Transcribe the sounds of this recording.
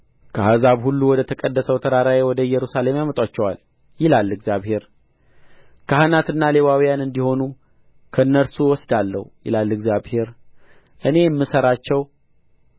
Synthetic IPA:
kʰəhazaβhulːuwɔd̪ət̪ʰəkʼəd̪ːəsəwt̪ʰəɾaɾawewɔd̪əɨjɛɾusale̞mjamət̪ʼwat͡ʃːɛwa̰l | jɪlalːɨɡzjaβhe̞ɾ | kʰahanat̪ɨnːale̞βawijanɨnd̪iho̞nu | kʰəɨnːəlsuwɔsd̪alːə̰hujɪ̰lalːɨɡzjaβhe̞ɾ | ʔɨne̞jɛmːɨsəɾat͡ʃːɛw

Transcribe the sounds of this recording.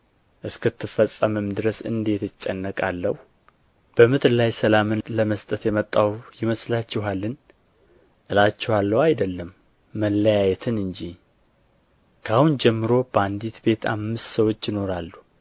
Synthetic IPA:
ʔɨskʰɨt̪ʰːɨfəsʼːəmɨmd̪ɨɾəsɨ̰nd̪e̞t̪ɨt͡ʃʼːənːəkʼalːəhu | b̥əmɨt̪lajsəlamɨnləməst̪ʼət̪jɛmət̪ʼːawjɪməslat͡ʃːɪɦalːɨn | ʔɨlat͡ʃːɛhalːəwajd̪əlːəmː | əlːəjajɛt̪ʰɨnɨɲd͡ʒi | kʰahund͡ʒɛmːɨɾo̞b̥əand̪it̪be̞t̪ʰa̰mːɨst̪səwo̞t͡ʃːjɪno̞ɾalːu

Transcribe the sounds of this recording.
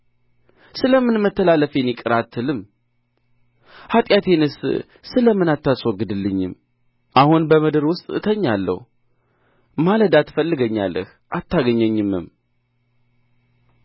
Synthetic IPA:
sɨləmːɨnmət̪ːəlaləfenikʼɨɾat̪ʰːɨlɨm | hat̪ʼjat̪ʰe̞nɨs | sɨləmːɨnat̪ːaswɔɡːɨd̪ɨlːɨɲːɪ̰m | ʔahunbəməd̪ɨɾwʊst̪ʼt̪ʰəɲːalːə̰hu | maləd̪at̪ːfəlːɨɡəɲːa̰lːə̰h | ʔat̪ːaɡəɲːəɲːɨmːɨ̰m

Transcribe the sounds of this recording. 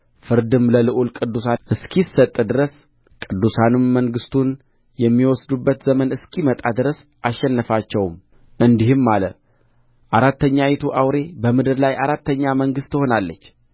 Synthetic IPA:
fɨɾd̪ɨmləlɨʔulkʼɨd̪ːusaʔɨskʰisət̪ʼːd̪ɨɾəs | kʼɨd̪ːusanɨmːəŋɡɨst̪ʰun | jɛmːiwɔsd̪ubːət̪zəmənɨskʰimət̪ʼad̪ɨɾəs | ʔaʃːɛnːəfat͡ʃːɛwm | ʔɨnd̪ihɨmːalə | ʔaɾat̪ːəɲːajit̪ʰuʔawɾe̞bəmɨd̪ɨɾlajʔaɾat̪ːəɲːaməŋɡɨst̪ʰːɨho̞nalːət͡ʃː

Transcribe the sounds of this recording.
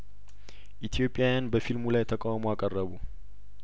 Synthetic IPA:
ʔit̪ʰijo̞pʼːjajanbəfilmulajt̪ʰəkʼawmoakʼərːəβu

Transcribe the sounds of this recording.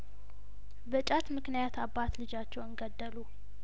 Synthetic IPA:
bət͡ʃʼat̪mɨknijat̪ʰabːat̪lɨd͡ʒat͡ʃːɛwɨŋɡəd̪ːəlu

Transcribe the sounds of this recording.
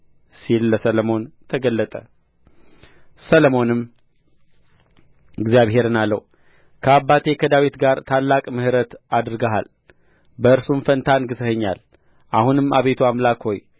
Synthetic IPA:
silːəsələmo̞nt̪ʰəɡəlːət̪ʼə̰ | sələmo̞nɨm | ɪɡzjaβhe̞ɾɨnalːə̰wu | kʰəabːat̪ʰe̞kʰəd̪awit̪ɡaɾt̪ʰalːakʼmɨhɨɾət̪ad̪ɾɨɡaɦa̰l | bəɨɾsumfənt̪ʰanɡɨt̪əhɨɲːa̰l | ʔahunɨmaβe̞t̪ʰuamlakho̞j

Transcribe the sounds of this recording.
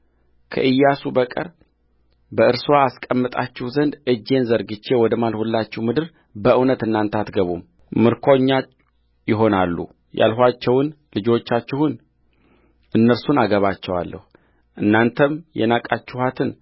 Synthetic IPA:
kʰə̰ʔɨjːasubəkʼə̰ɾ | bəɨɾswaːskʼəmːɨt̪ʼa̰t͡ʃːɪhuzənd̪ʔɨd͡ʒːe̞nzəɾɡɨt͡ʃːe̞wɔd̪əmalhulːat͡ʃːɪhmɨd̪ɨɾ | bəʔɨwnət̪ɨnːant̪ʰəat̪ɡəβum | mɨɾkʰoɲːa | jɪɦo̞nalːṵ | ja̰lɦʷat͡ʃːɛwʊn | lɨd͡ʒo̞t͡ʃːat͡ʃːɪhʊn | ʔɨnːəɾsunaɡəβat͡ʃːɛwa̰lːə̰hu | ʔɨnːant̪ʰəmjɛ̰nakʼat͡ʃːɪhat̪ʰɨn

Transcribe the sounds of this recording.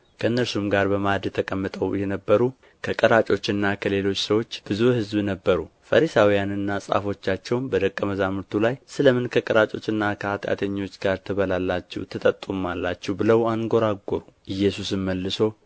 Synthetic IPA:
kʰəɨnːəɾsumɡaɾbəmad̪jɛt̪ʰəkʼəmːɨt̪ʼəwjɛnəbːəɾu | kʰəkʼəɾat͡ʃʼo̞t͡ʃːɨnːakʰəle̞lo̞t͡ʃːsəwo̞t͡ʃːb̥ɨzuhɨzbnəbːəɾufəɾisawijanɨnːasʼa̰fo̞t͡ʃːat͡ʃːɛwnbəd̪əkʼːəməzamɨɾt̪ʰulajsɨləmɨnkʰəkʼəɾat͡ʃʼo̞̰t͡ʃːɨnːakʰəhat̪ʼa̰t̪ʰəɲːo̞t͡ʃːɡaɾt̪ʰəβəlalːat͡ʃːɛ̰wt̪ʰət̪ʼət̪ʼːumːalːat͡ʃːɛwbɨləwaŋɡo̞ɾaɡoɾuʔɨjːɛsusɨnməlːɨso̞

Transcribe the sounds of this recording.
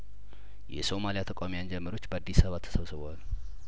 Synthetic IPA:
jɛ̰so̞malijat̪ʰəkʼamijand͡ʒɛmːəɾo̞t͡ʃːbəad̪ːisaβat̪ʰːə̥səwsəβəal

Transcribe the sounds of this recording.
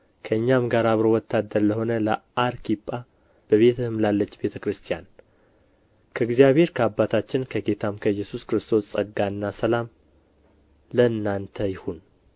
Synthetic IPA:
kʰəɨɲːamɡaɾaβɾo̞wɔt̪ʰːad̪əɾləho̞nələʔaɾkʰipʼːa | b̥əβe̞t̪ʰɨhɨmlalːət͡ʃːbe̞t̪ʰəkɾɨst̪ʰijan | kʰəɨɡzijaβhe̞ɾkʰəabːat̪ʰat͡ʃːɪnkʰəɡe̞t̪ʰamkʰəjːɛsuskɾɨst̪ʰo̞ssʼəɡːaɨnːasəlam | ləɨnːant̪ʰəjɪhun

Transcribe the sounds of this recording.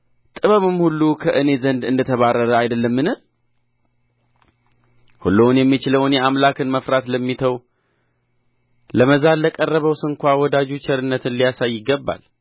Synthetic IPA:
t̪ʼɨβəmɨmhulːukʰəʔɨne̞zənd̪ɨ̰nd̪ət̪ʰəβarːəɾəajd̪əlːəmːɨnɨ | hulːownjɛmːit͡ʃɪləwnjɛamlakɨnməfɾat̪ləmːit̪ʰəw | ləməzalləkʼərːəβəwsɨŋkʷawɔd̪ad͡ʒut͡ʃʰɛɾɨnːət̪ʰɨnlijasajːɪɡːəbːa̰l

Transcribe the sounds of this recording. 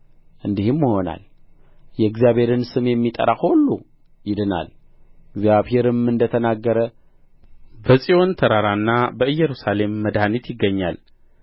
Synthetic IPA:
ʔɨnd̪ihɨmːəho̞na̰l | jɛɨɡzjaβhe̞ɾɨnsɨmjɛmːit̪ʼə̰ɾaxholːu | jɪd̪ɨna̰l | ɡzjaβhe̞ɾɨmɨnd̪ət̪ʰənaɡːəɾə | bəsʼio̞nt̪ʰəɾaɾanːabəɨjːɛɾusale̞mːəd̪hanit̪jɪɡːəɲːa̰l

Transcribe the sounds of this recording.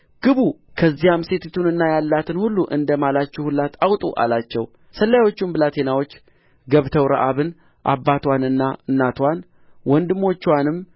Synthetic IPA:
ɡ̥ɨβukʰəzːijamse̞t̪ʰt̪ʰunɨnːajalːat̪ʰɨnhulːuʔɨ̰nd̪əmalat͡ʃːɛhulːat̪awt̪ʼṵʔa̰lat͡ʃːɛw | səlːawo̞t͡ʃːumbɨlat̪ʰe̞nawo̞t͡ʃː | ɡəβt̪ʰəwɾa̰ʔaβɨn | ʔa̰bːat̪wanɨnːaɨnːat̪ʰwan | wɔnd̪ɨmo̞t͡ʃːwanɨm

